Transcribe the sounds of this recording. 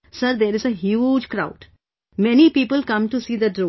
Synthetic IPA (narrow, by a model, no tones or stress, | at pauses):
səɾd̪eːɾɪzəɦjud͡ʒkɾaʊɖ | mɛnipiːpəlkʌ̃mʈusiːd̪əɖɾo